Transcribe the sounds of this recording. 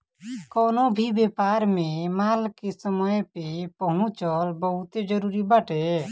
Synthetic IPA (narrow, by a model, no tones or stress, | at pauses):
kɔːnobʱibepaɾmemaːlkesəməjpepəɦʊ̃t͡ʃəlbəɦut̪ed͡ʒəɾuːɾibəʈʰe